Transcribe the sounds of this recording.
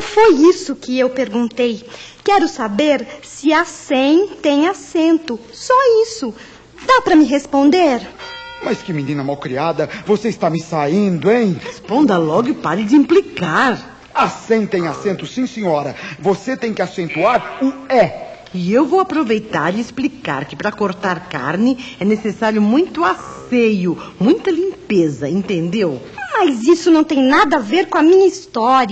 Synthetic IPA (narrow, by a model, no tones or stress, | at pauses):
fojisʊkɪewpeɾɡũnt̪ej | kɛɾʊsabeɾsɪasẽj̃t̪ẽj̃asẽnt̪ʊ | sɔisʊ | d̪apɾɐmɪɦespõnd̪eɾmɐskɪminĩnɐmawkɾiad̪ɐvoseist̪amɪsaĩnd̪ʊẽj̃hespõnd̪ɐlɔɡɪpaɾɪd͡ʒɪĩplikaɾ | asĩj̃t̪ẽj̃asẽnt̪ʊsĩsẽɲɔɾɐvoset̪ẽj̃kɪasẽnt̪uaɾʊɛ | ɪewvowapɾovejt̪aɾɪɪsplika̰ɾkɪpɾɐkoɾt̪aɾka̰ɾnɪɛnesesaɾjʊmũj̃t̪ʊasejʊmũj̃t̪ɐlĩmpezɐẽnt̪ẽnd̪ewmɐzisʊnɐ̃w̃t̪ẽj̃nad̪ɐaveɾkõɐmĩɲɐist̪ɔɾ